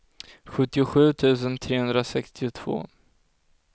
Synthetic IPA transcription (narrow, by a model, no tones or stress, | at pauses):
ɧɵt̪ːɪʊɧʉ̟ːt̪ʰʉ̟ːs̬ənt̪ʰɾeːhɵnd̪ɾasɛkst̪ɪʊt̪ʰv̥o̰ː